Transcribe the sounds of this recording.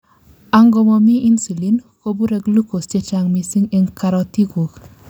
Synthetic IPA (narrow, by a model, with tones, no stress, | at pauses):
a˦ŋɡɔ˨mɔ˨mi˦i˦nsi˨li˨˦nko˦bu˦ɾɛ˦ɡlu˦ko˨ste˦t͡ʃa˨ŋmi˨si˦ŋe˦ŋka˧ɾɔ˧t̪i˦ɡo˨k